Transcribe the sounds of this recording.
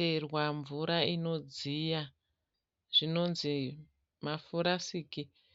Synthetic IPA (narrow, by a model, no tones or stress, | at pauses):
erwaɱvuɾaino̞d͡zija | ʐ̥ino̞nzi | mafuɾasiːki